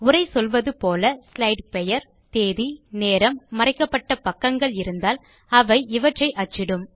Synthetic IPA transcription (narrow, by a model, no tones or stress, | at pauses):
ʊrɐɪsɔlʋɐðɯpoːlɐslɐɪɖpɛjɐɾ | t̪eːðineːɾɐmːɐɾɐɪkːɐpːɐʈːɐpɐkːɐŋɡɐɭɪɾɯnd̪aːl | ɐʋɐɪɪʋɐʈrɐɪʔɐt͡ʃːɪɽɯm